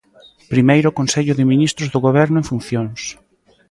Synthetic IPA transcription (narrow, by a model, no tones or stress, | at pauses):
pɾimejɾʊkõnseʎʊðɪminist̪ɾʊzðʊɣoβ̞ɛɾnʊẽɱfun̟θjoŋs